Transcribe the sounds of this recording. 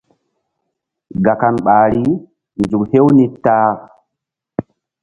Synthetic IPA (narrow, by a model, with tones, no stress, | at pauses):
ɡa˨ka˨nɓaː˨ɾi˦ | nd͡ʒu˨khe˦wni˦taː˦